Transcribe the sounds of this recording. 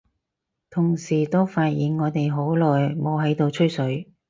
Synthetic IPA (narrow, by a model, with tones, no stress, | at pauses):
t̪ʰʊ˨˩ŋsiː˨˩t̪o˥wfaː˧t̚jiː˨˩nŋɔː˨˧t̪e˨jɦo˨˥wlɔː˨˩jmo˨˧wɦɐ˨˥jt̪o˧wt͡ʃʰɵ˥jsɵ˨˥ɥ